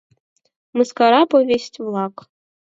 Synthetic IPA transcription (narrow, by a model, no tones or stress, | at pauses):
mɨskaɾɑpovʲesʲtʲvlˠɑk